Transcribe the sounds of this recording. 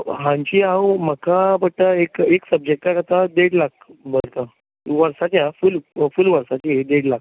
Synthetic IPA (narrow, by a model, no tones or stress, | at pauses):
ɦãɲt͡ɕiːawməkabəʈ̪əekeksəb̚d͡ʑek̚ʈ̪aɾat̪ad̪eɽlak̚bəlt̪a | ʋəɾsat͡ɕjafulfulʋəɾsat͡ɕiɦed̪eɽlak